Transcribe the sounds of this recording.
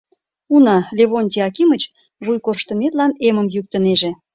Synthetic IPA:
unɑlʲeβonʲt̪ʲiɑkimət͡ɕ | βujkorʃt̪ə̆met̪lɑneməmjyk̚t̪əneʒe

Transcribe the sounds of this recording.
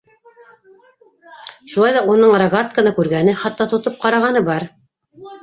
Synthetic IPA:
ʃulˠɑjðɑunɤɴrɐɡat̪̚kənɤkʉɾɡænɘχɑt̪ːɑt̪ŏt̪op̚qɑɾɑʁɑnɤbɑɾ

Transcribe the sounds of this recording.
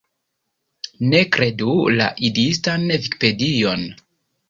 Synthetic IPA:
ne̞kɾe̞dula̰ʔidistanviki̥pe̞dio̞n

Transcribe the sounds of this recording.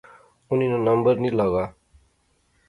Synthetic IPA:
uninʌnʌmbʌrnilʌɡa

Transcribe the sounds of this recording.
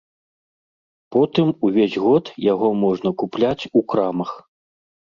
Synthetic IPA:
pɔt̪ɨmuvʲezʲɣɔt̪jaɣɔmɔʐnɐkuplʲat͡sʲukɾamɐx

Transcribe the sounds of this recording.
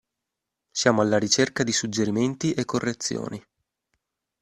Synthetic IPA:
sjaːmoalːaɾit͡ʃerkad̪isud͡ʒːeɾiment̪iʔekːorːet̪sːjo̰ːni

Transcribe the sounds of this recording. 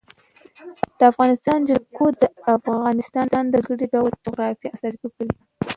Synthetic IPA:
d̪̥əafɣɑnɪst̪ɑnd͡ʒalkʰod̪əafɣɑnɪst̪ɑnd̪ɑnd̪əɡəɽiɖawlt̪ʊɣɾɑfiasɑsiwəkəɾi

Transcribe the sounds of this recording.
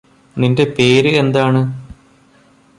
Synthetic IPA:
ninde̞peːɾɨe̞nd̪aːɳɨ

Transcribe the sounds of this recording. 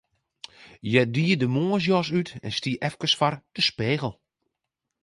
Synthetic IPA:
jɛdiədəmoːəs̬jɔsytʰɛ̰nstiʔɛfkəsfard̥əspeːɣəl̩ˠ

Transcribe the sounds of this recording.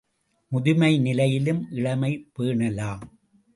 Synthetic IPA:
mʊðɪmɐɪnɪlɐjɪlɯmʔɪɭɐmɐɪpːeːɳɐlaːm

